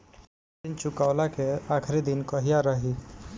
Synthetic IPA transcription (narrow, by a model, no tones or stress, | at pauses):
int͡ʃʊkaʊlakeakʰɾid̪inkəɦijaɾəɦi